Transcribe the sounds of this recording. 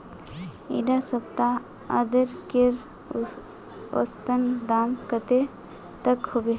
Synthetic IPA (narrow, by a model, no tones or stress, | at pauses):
ḭɖasəb̚t̪a | ə̰d̪əɾkeɾ | o̰st̪ənd̪aːmkət̪e | t̪əkhobe